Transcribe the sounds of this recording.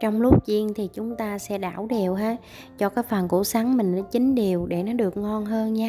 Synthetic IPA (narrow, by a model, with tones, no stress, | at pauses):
t͡ɕɔ˧wŋ͡mlʊ˦˥k͡p̚t͡ɕi˧ənt̪ʰi˨˩t͡ɕʊ˨˦ŋ͡mt̪aː˧sɛ̰˧˥ɗaː˧˩wɗe˨˩əwɦaː˨˦ | t͡ɕɔ˧kaː˨˦jfa˨˩nkṵ˧˩sa˨˦ŋmï˨˩ŋ̟nɔ˨˦t͡ɕï˨˦ŋ̟ɗi˨˩əwɗe˧˩nɔ˨˦ɗɨ˨˩ək̚ŋɔ˧nɦəː˧nɲaː˧